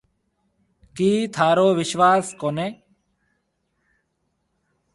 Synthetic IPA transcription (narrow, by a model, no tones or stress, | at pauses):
kiːt̪ʰaːɾoːʋɪʃʋaːskoːneː